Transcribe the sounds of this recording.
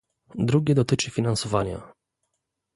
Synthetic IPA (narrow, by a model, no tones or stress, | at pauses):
d̪ɾuɡʲɛd̪ɔt̪ɘt͡ʂɘfʲinansɔvaɲa̰